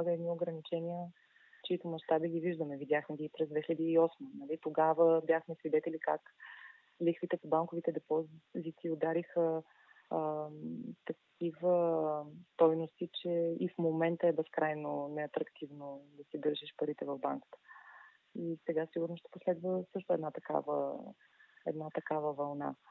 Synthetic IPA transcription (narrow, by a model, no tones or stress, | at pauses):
aɡəɛd̪nioɡɾənit͡ʃɛniə | t͡ʃɛit̪omɐʃt̪abiɡʲiviʒd̪əmɛvid̪ʲaxmɛɡʲiːpɾɛzd̪vɛxiləd̪iiːɔsmənɐlit̪oɡavəbjaxmɛsvid̪ɛt̪ɛlikak | lixvit̪ɛpobaŋkovit̪ɛd̪ɛpɔzzit̪iod̪aɾixə | t̪ɐkʰivə | t̪ɔjnost̪it͡ʃɛifmomɛnt̪əɛbɛskɾajnonɛɐt̪ɾɐkt̪ivnod̪ɐsiɡ̪ɤɾʃɛʃpɐɾit̪ɛvɐvba̰ŋkə̥t̪ə̥ | isɛɡasiɡʊɾnosʃt̪ɛ̥poslɛd̪vəsɤʃt̪ʊɛd̪nat̪ɐka̰və̰ | ɛ̰d̪nat̪ɐkavəvɐlˠna̰